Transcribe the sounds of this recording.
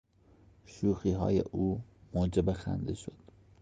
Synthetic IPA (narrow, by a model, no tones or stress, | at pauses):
ʃuːxiːɦɒ̰ːjḛʔuːmoːd͡ʒebexæ̰nd̪eʃod̪̥